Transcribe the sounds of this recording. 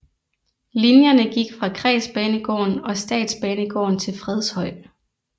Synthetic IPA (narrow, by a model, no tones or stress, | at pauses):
linjɐnəɡ̥iɡ̥fʁɑ̈kʰʁɛ̰ːsb̥ɛːnəɡ̥ɒ̰ːnɒ̽sd̥ɛ̰ːd̥sb̥ɛːnəɡ̥ɒ̰ːnt͡sʰe̝lfʁɛð̞ˠshɒ̽ɪ̰